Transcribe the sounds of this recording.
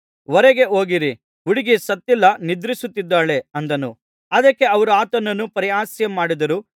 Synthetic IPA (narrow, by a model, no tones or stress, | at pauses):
ʋɔɾeɡe̞o̞ːɡiɾi | uɽiɡisɐt̪ːilːɐnid̪ɾisut̪ːid̪ːaːɭe̞ɐnd̪ɐnu | ɐd̪ɐkːe̞ɐʋɐɾuaːt̪ɐnːɐnːupɐɾijaːsjɐmaːɽid̪ɐɾu